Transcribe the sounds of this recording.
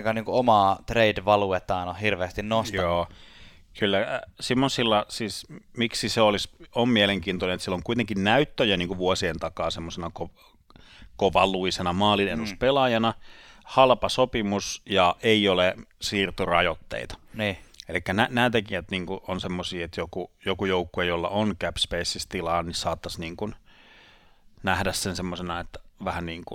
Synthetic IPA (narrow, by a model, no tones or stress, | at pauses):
kɑniːŋkuomɑːt̪reidʋɑluet̪ːɑːnohirʋeːst̪innost̪joː | kylːæsimːosilːɑsiːsmiksiseolisommieleŋkiːnt̪onenet̪silːoŋkuit̪eŋkinnæyt̪ːøjæniːŋkuʋuosient̪ɑkɑːsemːosenɑko | koʋɑluisenɑmɑːlinenuspelɑjɑnɑhɑlpɑsopimusjɑʔeiolesiːrt̪urɑ̰jot̪ːḛit̪ɑ̥elikːænænæːt̪ekijæt̪niːŋkuʔonsemːosiːet̪jokujokujoukːuejolːɑ̰ʔonkæpspeisːist̪ilɑːnnisɑːt̪ːɑsniːŋkun | næhdæssensemːosenɑet̪ːæ̥ʋæhænniːŋku